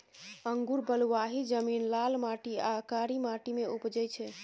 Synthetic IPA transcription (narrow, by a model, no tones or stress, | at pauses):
əŋɡuɾbəluʋaɦid͡ʒəminlalmaʈia̰kaɾimaʈimeupd͡ʒəjt͡ʃʰɛ